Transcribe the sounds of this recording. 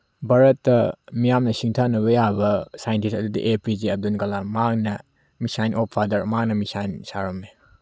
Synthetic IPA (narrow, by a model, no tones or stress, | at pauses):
bɐɾɐtːɐmijamnɐsiŋtʰanɐβɐjabɐsajɐntisɐdudḭʔepid͡ʒiɐb̚dunkɐlamaŋnɐ | misajnʔopʰadɐɾmaŋ̚nɐmisajnsaɾɐme